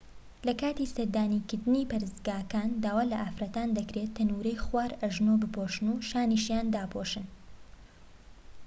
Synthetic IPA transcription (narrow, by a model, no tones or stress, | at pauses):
lɐkaːt̪isɐɾd̪aːnikɪɾd̪ɨniːpɐɾɨzɡaːkaːnd̪aːwaːlɐʔaːfɾɐt̪aːnd̪ɐkɾet̪ʰːɐnuɾɐjχwaːɾɐʒnobɨpʰoʃɨnuʃaːniʃjaːnd̪aːpʰoʃɨn